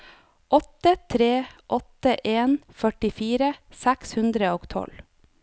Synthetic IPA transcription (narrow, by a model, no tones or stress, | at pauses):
ʔɔt̪ət̪ʰɾeːʔɔt̪əʔeːnfœʈɪfiːɾəsækshʉnd̪ɾəoːɡt̪ʰɔ̰l